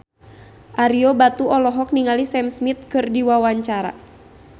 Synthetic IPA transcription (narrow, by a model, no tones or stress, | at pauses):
ʔaɾiobat̪uɔlɔɦɔk̚niŋalisɛmsmit̪̚kɨrdiwawaɲt͡ʃaɾa̰